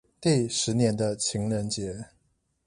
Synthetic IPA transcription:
t̪i˥˩ʂɻ̩˧˥njɛ˧˥nd̪ə˧t͡ɕʰi˧˥ŋɻə˧˥nt͡ɕjɛ˨˧˥

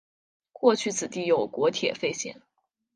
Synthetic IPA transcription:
kwɔ˥˧t͡ɕʰy˥˩t͡sʰɹ̩˨˩t̪i˥˩jo˨˩ʊkwɔ˧˥t̪ʰjɛ̰˨˩fe˥˧ɪɕjɛ̰˥˩n

